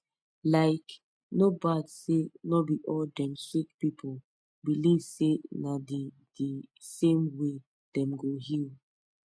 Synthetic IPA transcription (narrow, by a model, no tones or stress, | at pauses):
laɪk | nobadsenɔbiʔɔldɛ̃msik̚pipʰol | biliv̥senadi | d̥isẽmwe | d̥ɛ̃mɡohil